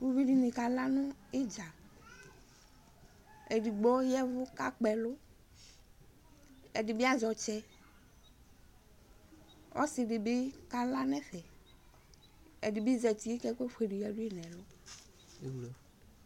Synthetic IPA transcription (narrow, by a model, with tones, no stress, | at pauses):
wu˦vi˦ɖi˦nĩ˨ka˨la˦nʊ̃˦e˦d͡ʒa˨ | e˨ɖi˨ɡ͡bɔ˦jɛ˦vʊ˦ka˦k͡pɛ˨lʊ˦ | ɛ˨ɖi˨bi˦a˦zɔ˨t͡ʃɛ˦ | wʔɔ̰˦sɪ˨ɖɪ˨be˦ka˦la˦nɛ̃˦ɸɛ˨ | ḛ˨ɖi˨bi˦zɛ˨t̪i˦e˦kɛ˦ke˦ɸe˨ɖi˨jɛ˦ɖu˦e˦nɛ̃˨lʊ˦ | e˨wlo˨